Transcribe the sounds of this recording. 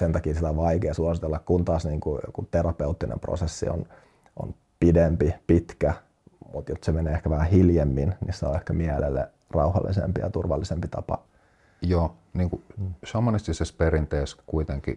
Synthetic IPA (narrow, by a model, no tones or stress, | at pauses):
sent̪ɑkiːsit̪æoʋɑikeːsuɑsit̪elːɑkkunt̪ɑːsniːŋkuo̰kut̪erɑpeut̪ːinʔḛmpro̰sesːḭo̰n | ʔo̰n | pidempipit̪kæ | mut̪jot̪semeneːekæʋæhæhiljemːinnissːeo̰ehkæmiælḛlːḛ | rɑuhɑlːḭsḛmpijɑ̰t̪urʋɑ̰lːisempit̪ɑpɑ̰ | joː | niːŋkusɑmonist̪isesperint̪eːskuit̪eŋkḭ